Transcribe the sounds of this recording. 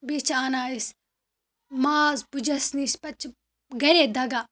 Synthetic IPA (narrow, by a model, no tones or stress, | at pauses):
bet͡ʃʰaːnaːis | maːzbud͡ʒɐsnispɐt͡ʃʰ | ɡɐɾeːd̪ɐɡaː